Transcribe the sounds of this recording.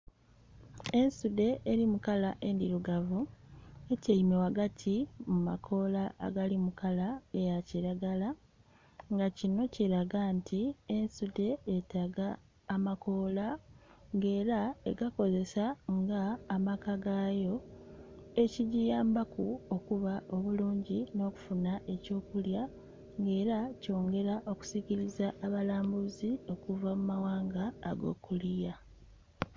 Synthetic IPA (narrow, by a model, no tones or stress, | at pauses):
e̞nsude̞ʔːɾimukalaʔe̞ndiɾuɡavueceimewaɡatʰimuma̰kʰo̞laʔːɡalimukalaejaciɾaɡala | ŋɡacino̞ciɾaɡantʰiensude̞ːtaɡaː | mako̞ːlaŋɡe̞ːɾaeɡako̞ze̞saŋɡaːmakaɡajo̞ | e̞ciɟijaːmbakuo̞kuβaʔo̞βuluːɲɟino̞ːku̥funaʔe̞co̞ːkulja | ŋɡe̞ːɾaco̞ːŋɡe̞ɾaʔo̞ku̥siciɾizaʔːβalaːmbuzio̞kuvamumawaːŋɡaːɡo̞̰ːkulija